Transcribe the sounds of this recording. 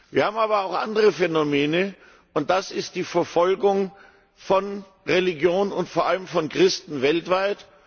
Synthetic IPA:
v̥iːɐhaːbm̩aːbɐaʊxʔa̰ndəʁəfɛnomeːnə | ʔʊnt̚d̥asɪst̚d̥iːfɛɐfɔlɡʊŋ | fɔn | ʁeliɡjoːnənʊntfoːɐʔaləmfɔnkʁ̥ɪstn̩vɛltv̥aɪt

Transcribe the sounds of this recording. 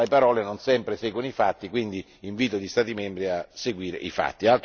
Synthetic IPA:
epaɾɔːlenonsɛmpɾesɛːɡwonifat̪ːikwind̪iːɱviːt̪olist̪aːt̪imɛmbɾiaseɡwiːɾḛʔifa̰t̪ːialt̪

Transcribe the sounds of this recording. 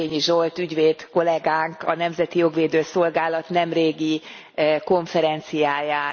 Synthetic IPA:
eːɲiʒolt̪yɟʋeːd̪ko̞lɛɡaːŋkɒnɛmzɛt̪ijo̞ɡʋeːd̪øːso̞lɡaːlɒt̪nɛmreːɡi | ko̞ɱfɛɾɛnt̪sijaːjaː

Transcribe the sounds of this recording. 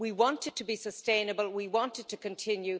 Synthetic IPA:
wiwɑ̃ntɨd̚tʰəbisəstẽɪ̃nəbəlˠwiwɑ̃ntɨd̚tʰɨkʰɨ̃ntʰɪ̃njʉ

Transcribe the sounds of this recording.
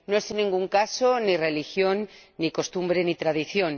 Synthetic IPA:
noesenːĩŋɡuŋkaso̞nire̞lixjo̞nːiko̞st̪umbɾe̞nit̪ɾaðiθjo̞n

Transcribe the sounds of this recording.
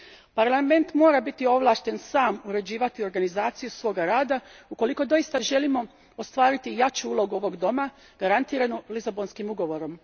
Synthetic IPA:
paɾlame̞nt̪mo̞ːɾabit̪io̞ʋlˠaːʃt̪e̞nsaːmuɾe̞d͡ʑiːʋat̪io̞ɾɡanizaːt̪sijusʋo̞ːɡaɾaːd̪auko̞liko̞d̪o̞ist̪aʒe̞limo̞ | ost̪ʋaːɾit̪ijat͡ʃuuːlˠo̞ɡuo̞ʋo̞ɡd̪o̞ma | ɡ̥aɾant̪iːɾanulizabo̞nskimuɡo̞ʋo̞ɾo̞m

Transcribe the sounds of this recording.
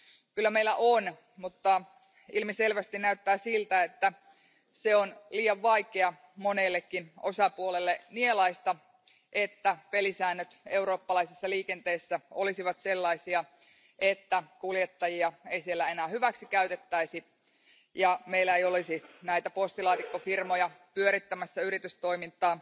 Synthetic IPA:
kylːæmeilæʔon | mut̪ːɑ | ilmiselʋæst̪innæyt̪ːæːsilt̪æet̪ːæ | seonliːjɑʋʋɑikeɑ | monelːekːinosɑpuolelːenielɑist̪ɑ | ʔet̪ːæpelisæːnːøt̪e̞uɾo̞ːpːɑlɑisisːɑliːkent̪eːsːæolisiʋɑt̪selːɑisiɑ | et̪ːækuljet̪ːɑjiɑeisielːæe̞næːhyʋæksikæyt̪et̪ːæisi | jɑmeilæejolisinæit̪æpost̪ilɑːt̪ikːofirmojɑpyøɾit̪ːæmæsːæyɾit̪yst̪o̞imint̪ˑɑː

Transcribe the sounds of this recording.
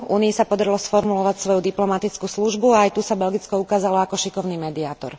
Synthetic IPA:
ṵːniisapɔd̪aɾilɔsfɔɾmulɔʋacsʋɔjud̪iplɔmat̪it͡skuːsluʒbuaajt̪usabɛlɡit͡skɔukaːzalɔakɔʃikɔʊniːmɛd̪iaːt̪ɔ̰ɾ

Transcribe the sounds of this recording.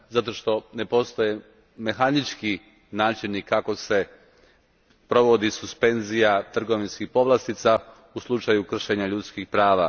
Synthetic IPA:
zat̪o̞ʃt̪o̞ne̞po̞st̪oje | me̞xanit͡ʃki | naːt͡ʃinikako̞se̞ | pɾo̞ʋo̞d̪isuspe̞nzijat̪r̩ɡo̞ʋinskixpo̞ʋlˠast̪it̪sa | uslˠut͡ʃajukr̩ʃe̞ɲaʎut̪skixpɾaːʋa̰

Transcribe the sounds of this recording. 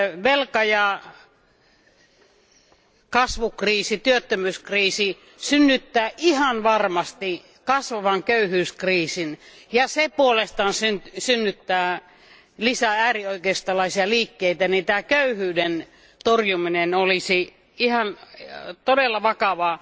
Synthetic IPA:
ʋelkɑjɑ | kɑsʋukriːsit̪yøt̪ːømyskriːsi | synːyt̪ːæːʔihɑnʋɑrmɑst̪i | kɑsʋɑʋɑŋkøyhyːskriːsin | jɑsepuolest̪ɑːnsyntsynːyt̪ːæː | lisææːrioikest̪ɑlɑisiɑliːkːeit̪ænit̪æːkøyhyːden | t̪orjuminenolisi | ihɑnt̪odelːɑʋɑkɑʋɑ

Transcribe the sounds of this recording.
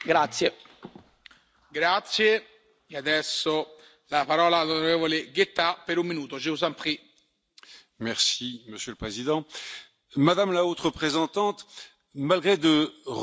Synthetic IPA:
ɡɾat̪sje | ɡɾat̪sje | ead̪ɛsːo | lapaɾɔːlaːlonoɾɛːvoleɡet̪ːapːeɾumːinuːt̪od͡ʒeuzampχi | mɛʁsiməsjøləpχezid̪ɑ̃ | mad̪amlaot̪χəpχezɑ̃t̪ɑ̃t̪ | malɡʁed̪əʁ

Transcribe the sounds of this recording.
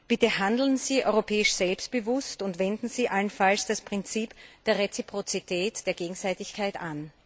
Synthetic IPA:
b̥ɪtəɦandl̩nziːʔɔ̰ʏʁopʰɛːɪʃz̥ɛlpst̚b̥əvʊstʊntvɛndn̩z̥iːʔalənfalsd̥aspʁ̥ɪnt͡siːpd̥eːɐʁet͡sipʁ̥ot͡sitʰɛːtd̥eːɐɡeːɡŋ̩zaɪtɪçkʰaɪtʔan

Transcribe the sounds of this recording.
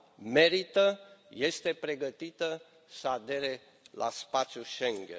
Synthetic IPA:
me̞ɾit̪əje̞st̪e̞pɾe̞ɡət̪it̪ə | səad̪e̞ɾe̞ | lʔa̰spat̪sʲjuʃeŋɡʲḛn

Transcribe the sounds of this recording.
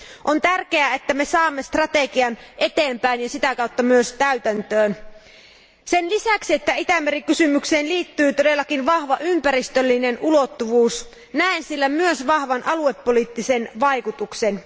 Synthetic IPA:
ʔont̪ærkeæet̪ːæmesɑːmːest̪rɑt̪eɡiɑnʔet̪eːmpæinjɑsit̪ækɑut̪ːɑmyøst̪æyt̪ænt̪øːn | senlisæksiet̪ːæit̪æmːerikysymykseːnliːt̪ːyːt̪ode̞lːɑkinʋɑhʋɑʔympæɾist̪ølːinenʔulot̪ːuʋuːs | næensilːæmyøsʋɑhʋɑnʔɑluepːoliːt̪ːisenʋɑjkut̪uksen

